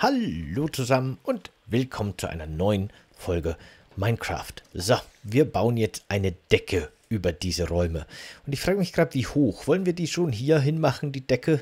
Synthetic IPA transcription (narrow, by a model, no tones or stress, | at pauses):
haloːt͡suzamənʔʊnt | vɪlkʰɔmənt͡suʔa̰ɪnɐnɔʏən | fɔlɡə | maɪnkʁ̥a̰ːftzoviːɐbaʊənjɛt͡stʔaɪnəd̥ɛkʰəʔyːbɐdiːzəʁɔʏməʔʊntɪçfʁ̥aːɡəmɪçɡ̥ʁaːdəv̥iːhoːxv̥ɔlənviːɐdiːʃoːnɦiːɐɦɪnmaχn̩diːdɛkʰə